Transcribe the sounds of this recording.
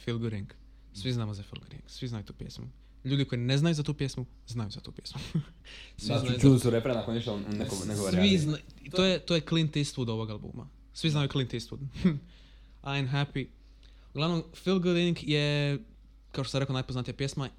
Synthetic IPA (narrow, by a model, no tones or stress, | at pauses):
filɡuɾiŋɡ | sʋiznaːmozafilɡuɾḭŋɡ̥sʋiznajut̪uːpjḛsmṵ | ʎuːd̪iko̞jineznajuzat̪uːpjesmu | znajuzat̪ṵːpʲjḛsmu | sʋint͡ʃud̪isuɾepɾenakoniʃanekoneɡooɾʋiznat̪ojet̪ojeklint̪ist̪pud̪o̞ʋoɡalˠbṵːma̰ | sʋiznajuklint̪ist̪pṵd̪ | ajmɦapi | uɡlˠaʋnomfilˠɡuɾiŋɡje | kaoʃt̪osamɾe̞konajpoznat̪ijapjesma